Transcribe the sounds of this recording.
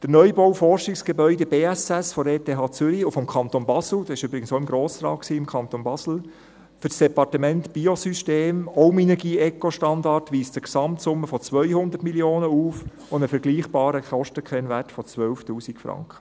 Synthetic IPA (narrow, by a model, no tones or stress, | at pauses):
d̥ənœʏbɔwfɔrʃɪksɡ̥ebœʏdɛb̥eːæsɛsfɔɾeːtʰeːɦɑːt͡sʏɾiufɔmkʰɑnt̪onbɑsl̩d̥̪ɑsɪʃyːbɾɪɡən̩soʊɪmɡɾoːsɾɑ̰ːtksiːɪmkʰɑnt̪onbɑsl̩ | fʏɾsd̥ɛpɑrtəmɛntb̥iosyʃteːmɔʊmɛnɛɡiːɛkoʃtɑndɑrtʋiːstəksɑmtsʊmːəfɔt͡sʋœʏhʊnd̪əɾtmiljoːnəuːf | ʊnəfɛɾɡliːχb̥ɑːɾəkɔʃtəkʰχɛnʋætfɔt͡sʋœwftuːsikfɾɑ̰ŋkχə̥